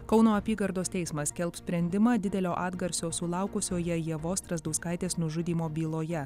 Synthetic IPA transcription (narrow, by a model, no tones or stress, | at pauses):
kɒʊnoːɐpʲiːɡɐɾd̪oːst̪ʲɛɪsmɐskʲɛlˠpsʲpʲɾʲɛnʲd̪ʲɪmɑːd̪ʲɪd̪ʲɛlʲoːʔɑːd̪ɡɐɾʲsʲoːsʊlˠɑˑʊkʊsʲoːjɛjɛʋoːst̪ɾɐzd̪ɐʊskɐˑɪt̪ʲeːsnʊʒʊd̪ʲiːmoːbʲiːlˠoːjɛ